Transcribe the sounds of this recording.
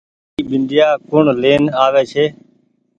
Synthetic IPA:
iːɓɪnd̪ɪjaːkʊɳleːnaːʋeːt͡ʃʰeː

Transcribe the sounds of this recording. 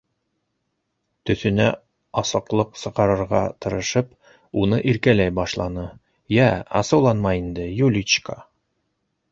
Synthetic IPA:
t̪ɵ̆θɵ̆næ̰ | ɑsɤ̆qlˠɤqsɤ̆ʁɑɾɤ̆ɾʁɑ̰t̪ɤ̆ɾɤ̆ʃɤp | unɤʔiɾkælæjbɑʃlˠɑnɤ | jæɑ̰sɤ̆wlˠɑnmɑjind̪ɘjulʲit͡ʃka

